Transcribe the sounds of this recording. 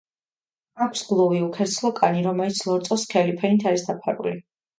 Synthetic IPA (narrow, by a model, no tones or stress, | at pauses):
akʷʰsɡlˠɔviukʰɛɾt̪sʰlˠɔkʼaniɾɔmɛlit̪sʰlˠɔt̪sʼɔskʰɛlipʰɛnit̪ʰaɾisd̪apʰaɾṵli